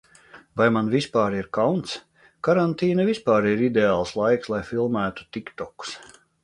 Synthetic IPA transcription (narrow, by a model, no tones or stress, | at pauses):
vajmanvispaːɾiɾkawnt̪s | kaɾant̪iːnavispaːɾiɾid̪ʲeaːlˠslˠajkslˠajfilˠmæːt̪u̥t̪ikt̪ɔku̥s